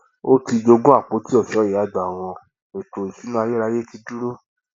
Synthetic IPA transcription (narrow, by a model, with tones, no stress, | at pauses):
o˦ti˧d͡ʒo˧ɡũ˦a˦˨k͡po˨˦ti˦ɔ˦˨ʃɔ˨˦ji˨a˨˦˨da˨w̃ɔ̃˧ | e˨to˨i˨ʃu˨˦nã˦a˧je˦ɾa˧je˦ti˧du˦ɾo˦